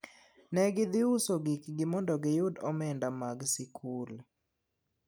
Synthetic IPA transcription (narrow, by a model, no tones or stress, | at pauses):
nɛɡɪd̪ɪusoɡikɡɪmɔndɔɡɪjʊdɔmɛndamaɡsikʰul